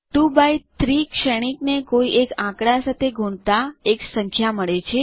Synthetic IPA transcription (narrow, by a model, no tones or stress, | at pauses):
ʈubajt̪ɾikʃɛɽ̃iknekoiʔekãkɽasat̪ʰeɡʱuɳ̃t̪aeksəŋkʰjaməɭet͡ʃʰe